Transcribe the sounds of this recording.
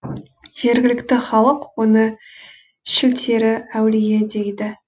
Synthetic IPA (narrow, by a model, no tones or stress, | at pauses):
ʒ̥e̞ɾɡʲɪlɪkt̪ɪχɑlˠəqwo̞nə | ʃɪlt̪ʰe̞ɾɪæwlɪɡʲe̞d̪e̞jd̪ɪ